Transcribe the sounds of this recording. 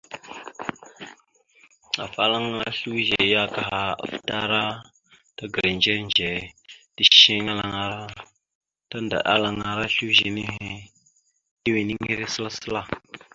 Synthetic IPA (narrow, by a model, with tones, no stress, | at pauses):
a̰˨fa˦la˦ŋa˦a˦ɬu˦ʒe˨ja˦ka˨ɦa˨a̰˨fta˦ɾa˦ | ta˦ɡə˨ɾe˨nd͡ʒe˦nd͡ʒe˨ti˦ʃi˦ŋa˦la˨ŋa˨ɾa˦ | ta˦nda̰˨ɗa̰˦la˨ŋa˨ɾa˦ɬu˦ʒe˨ni˦ɦe˨ | ti˦we˨ni˦ŋi˦ɾe˦sə˦la˦sə˦la˦